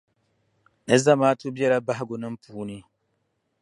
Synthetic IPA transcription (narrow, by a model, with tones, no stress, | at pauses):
nɨ˦za˦maː˦to˦bjɛ˦la˦ba˦ɦɪ˦ɡo˨nɨ˦m̩˦puː˨˦ni˦